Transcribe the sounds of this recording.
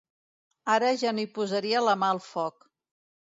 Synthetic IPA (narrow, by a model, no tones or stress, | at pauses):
aɾəʒanoipuzəɾiələmaəlˠfɔk